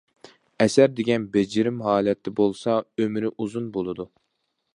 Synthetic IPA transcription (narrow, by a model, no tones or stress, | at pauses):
ɛsæɾd̪eɡʲɛnbed͡ʒɪɾɪmɦɑːlɛt̪ːɛbolˠsɑømɾɪʔuzunbolˠɨd̪u